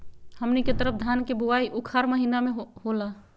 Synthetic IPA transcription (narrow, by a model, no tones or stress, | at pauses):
həmniket̪əɾəp̚ʰd̪ʱankebuaiʔʊkʰaɾməɦinamẽɦɦola